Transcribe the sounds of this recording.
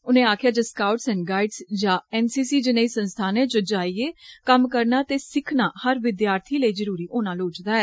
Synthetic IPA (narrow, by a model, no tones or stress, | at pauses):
ʊnẽːaːkʰɪjaːd͡ʒəskaːʊʈsɛ̃ːnɡaːiɖsd͡ʒãːɛːnsiːsiːd͡ʒɪnaiːsənst̪ʰaːnẽːt͡ʃod͡ʒaːieːkəmkəɾnaːt̪eːsɪkʰnaːhəɾʋɪd̪jaːɾt̪ʰiːləiːzəɾuːɾiːʔoːnãːloːt͡ʃd̪aːɛː